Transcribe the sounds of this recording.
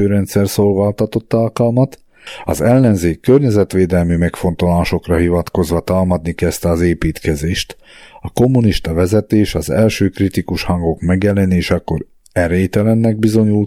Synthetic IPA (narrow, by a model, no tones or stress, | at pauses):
øːɾɛnt̪sɛrsoːlvaːlt̪ɒt̪o̞t̪ːalkɒlmɒt̪ | ɒ̰zɛlːɛnzeːkːørɲɛzɛt̪ʋeːd̪ɛlmymɛkfo̞nt̪o̞laːʃo̞krɒɦivɒt̪ko̞zʋɒt̪aːlmɒd̪nikɛst̪ɛɒzeːpiːt̪kɛzeːʃt̪ | ɒko̞mːuniʃt̪ɒvɛzɛt̪eːʃɒzɛlʃøːkrit̪ikuʃhɒŋɡo̞kmɛɡjɛlɛneːʃɒkːo̞ɾ | ɛɾeːt̪ɛlɛnːɛɡ̚bizo̞ɲul